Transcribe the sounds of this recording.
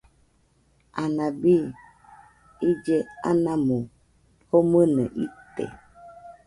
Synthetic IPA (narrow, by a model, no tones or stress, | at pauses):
anabi | id͡ʒea̰namu | homənəʔit̪ḛ